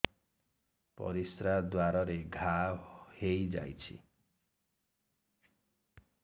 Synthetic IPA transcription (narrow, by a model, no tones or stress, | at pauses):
pɔ̰ɾisɾad̪waɾɔɾeɡʱahejd͡ʒa̰jt͡ʃʰḭ